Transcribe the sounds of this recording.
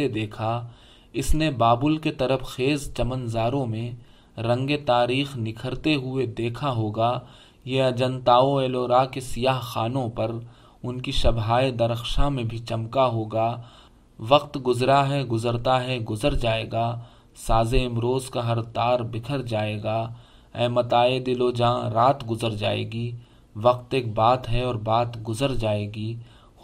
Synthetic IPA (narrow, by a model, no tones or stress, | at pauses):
ed̪eːkʰa | ɪsnebaːbʊlket̪ɐɾəfʰxeːzt͡ʃɐmənzaːɾõmẽ | ɾɐ̃ŋɡet̪aːɾiːxnɪkʰəɾt̪eɦʊed̪eːkʰaɦoːɡaː | jeɐd͡ʒə̃nt̪aːoeːloːɾaːkesijaːɦxaːnõpɐɾ | ʊnkiʃɐbɦaːed̪ɐɾəxʃamẽbʱit͡ʃɐmkaɦoːɡaː | ʋɐqt̪ɡʊzɾaɦɛɡʊzəɾt̪aɦɛɡʊzəɾd͡ʒaːeːɡaː | saːzeɪmɾoːzkaɦɐɾt̪aːɾbɪkʰəɾd͡ʒaːeːɡaː | ɛːmɐt̪aːed̪ɪloːd͡ʒãːɾaːt̪ɡʊzəɾd͡ʒa̰ːḛːɡiː | ʋɐq̚t̪eːk̚baːt̪ɦɛɔːɾbaːt̪ɡʊzəɾd͡ʒaːeːɡiː